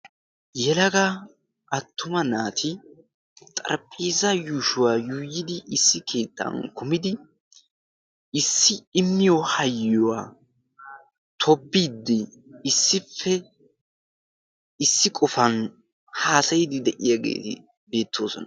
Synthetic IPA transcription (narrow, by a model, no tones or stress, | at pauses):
jɛlɐɡɐ | ʔɐt̪ːʊmɐnaːt̪ʰɪ | t̪ʼɐ̰ɾpʼiːzɐjuːʃʊwaːjuːjːɪd̪ɪʔɪsːɪkʰe̞ːt̪ːɐ̰nkʊmɪd̪ɪ | ɪsːɪɪmːɪjɔhɐjːɔwa̰ː | t̪ʰɔbːiːd̪ːɪ | ɪsːɪfːɛ | ɪsːɪkʼɔfɐn | haːsɐjɪd̪ɪd̪ɛʔɪjaɡḛːt̪ɪ̰ | be̞ːt̪ʰːo̞̰ːsɔnɐ